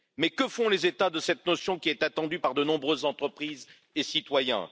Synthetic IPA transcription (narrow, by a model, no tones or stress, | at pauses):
mɛkəfɔ̃lezet̪ad̪əsɛt̪nɔsjɔ̃kʲiɛt̪at̪ɑ̃d̪ypaʁd̪ənɔ̃bʁøzːɑ̃t̪χəpχiz | esit̪wajɛ̰̃